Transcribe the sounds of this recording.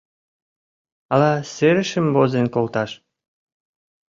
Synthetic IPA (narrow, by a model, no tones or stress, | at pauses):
ɑlɑseɾə̆ʃə̆mβozenkolt̪ɑʃ